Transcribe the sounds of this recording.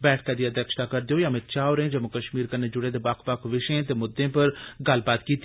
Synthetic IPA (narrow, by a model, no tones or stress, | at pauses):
bɛːʈʰkaːd̪iːəd̪ɛːkʃt̪aːkəɾd̪eoːjãːmɪt̪t͡ʃaːoɾeẽd͡ʒəmʊkəʃmiːɾkənːeːd͡ʒʊɽeːd̪eːbakʰbakʰʋɪʃẽːt̪eːmʊd̪ːẽːpəɾɡəlbaːt̪kiːt̪